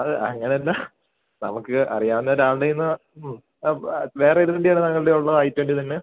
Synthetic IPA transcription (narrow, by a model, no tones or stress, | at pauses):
ɐðɨʔɐ̰ŋːɐneɐlːɐ | nɐ̰mukːɨɐ̰rijaːʋunːoːɾaːɭɽejinːɨ | ʋe̞ːreiɾuðeɳɖijaːɳɨnɐŋːɐɭiɽe̞uɭːɐɐjtːʋeːɳɖɨt̪ɐnːe